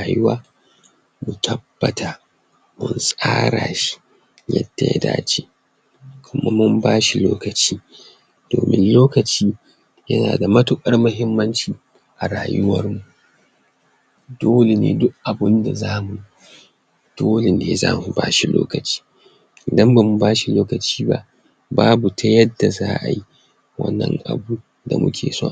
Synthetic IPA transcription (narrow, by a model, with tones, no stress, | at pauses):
a˨jʊ˦waː˦ | mu˨tʰɐ˦b̥ːɐ˨tʰa˨ | mʊ˦nsʼaː˦ɽaː˨ʃi̥˦ | jɐ̰˦dːɐ˨ja̰˨da̰ː˦t͡ʃiː˦ | kʰʷʊ˦ma˦mʊ˦mbaː˦ʃi˨loː˦kɐ˨t͡ʃiː˦ | d̥o̰ː˨mɪ̰˦nloː˦kɐ˨t͡ʃiː˦ | jɐ˦naː˨da˨mɐ˦tʊ˦˨kʼɐ˦rmʊ˦ɦɪ˦mːɐ˦nt͡ʃiː˨ | ʔa˨ɾaː˨jʊ˦wɐ̰˦rmu˨ | doː˦le˨nḛː˦dʊ˦kʔa˨bʊ˦nda˨zaː˦mu˨ji˦ | d̥oː˦le˨nḛː˦za̰ː˦mu˨ba̰ː˦ʃi˨lo̰ː˦kɐ˨t͡ʃi̥ː˦ | ʔɪ˨dɐ˦mba˨mu˨baː˦ʃi˨loː˦kɐ˨t͡ʃiː˦ba̰˦ʔ | baː˦bu˨tʰɐ˦jɐ˦dːa˨za̰ː˦ʔa̰˨ji˦ | wɐ̰˦nːɐ̰˦ŋʔa̰˨bu˦ | da̰˨mʊ̰˦kʲʰḛː˨so̰ː˦